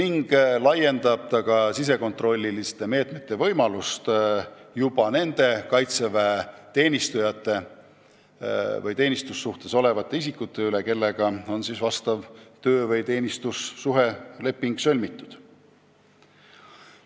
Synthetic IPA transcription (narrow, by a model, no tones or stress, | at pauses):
niŋɡ̥lɑje̞nd̪ɑb̥̚t̪ɑkɑsis̬e̞ko̞nt̪ro̞lʲːilist̪e̞me̞ːt̪me̞t̪ːˑe̞vɤ̞jmɑlust̪jub̥ɑne̞nd̪̥e̞kɑjt̪se̞væet̪e̞ːnist̪ujɑt̪ːˑe̞ | vɤjt̪e̞ːnist̪usːuht̪e̞so̞le̞vɑt̪ˑːe̞is̬ikːˑut̪ˑːe̞yle̞ke̞lːe̞ɡ̥ɑo̞nsisvɑst̪ɑvt̪ø̞ːvɤjt̪e̞ːnʲist̪usːuɦe̞le̞pːiŋɡ̥sø̞lʲmit̪ːˑud̪̥